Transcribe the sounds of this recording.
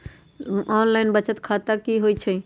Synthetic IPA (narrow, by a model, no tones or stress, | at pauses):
ɔːnlaɪnbət͡ʃət̪kʰat̪akiɦojt͡ʃʰə